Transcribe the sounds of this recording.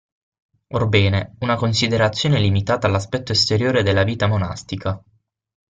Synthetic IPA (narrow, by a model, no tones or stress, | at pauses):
orbɛːneunakonsid̪eɾat̪sːjoːnelimit̪aːt̪alːaspɛt̪ːoest̪eɾjoːɾed̪elːaviːt̪amona̰st̪ika